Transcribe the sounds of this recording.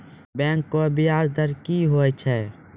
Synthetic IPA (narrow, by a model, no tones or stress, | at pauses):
bɛ̃ːŋkːoəbɪaːzd̪əɾkiɦoːɛt͡ʃʰɛː